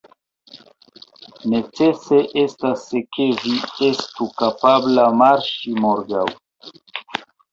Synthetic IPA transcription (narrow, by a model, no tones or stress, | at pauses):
ne̞t͡se̞se̞ʔe̞staske̞vie̞stukapablamaɾʃimoɾɡaw